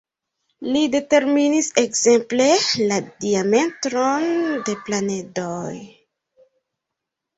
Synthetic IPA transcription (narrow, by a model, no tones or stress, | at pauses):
lide̞te̞ɾminisekze̞mple̞ladiame̞ntɾonde̞planedoj